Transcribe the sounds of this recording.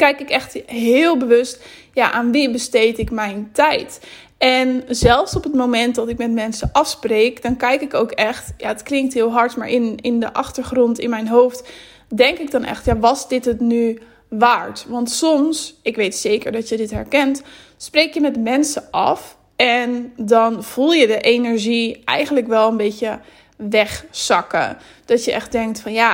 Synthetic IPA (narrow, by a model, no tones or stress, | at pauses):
kɛjkɪkɛχtɦɪːlˠbəʋɵstja̰ːʔaːnʋibəstejtɪkmɛjntɛjt | ɛnzɛlˠfsɔpətmowmɛntdɑtɪkmɛtmɛnsəʔɑfsprejkdɑnkɛjkɪkowkɛχtjaːətklɪŋktɦɪːlˠɦɑɹtmaːɹʔɪnɪndə̰ʔɑχtəɹχrɔntɪnmɛjnɦowft | dɛŋkɪɡ̚dɑnɛ̰χtjaːʋɑzdɪtɦətny | ʋaːɹtʋɑntsɔmsɪkʋejtsejkəɹdɑtjədɪtɦɛ̰ɹkɛntsprejkjəmɛtmɛnsəʔɑ̰f | ɛndɑnv̥ulˠjədəʔejnɛɹʒiʔɛ̰jχəntləkʋɛlˠənbejcə | ʋɛχsɑkə̰ | d̥ɑtjəʔɛ̰χ̚dɛŋk̚tfɑnja